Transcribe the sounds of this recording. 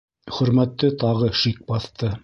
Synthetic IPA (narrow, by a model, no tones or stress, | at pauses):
χɵ̆ɾmæt̪ːɘt̪ɑʁɤʃik̚bɑθt̪ɤ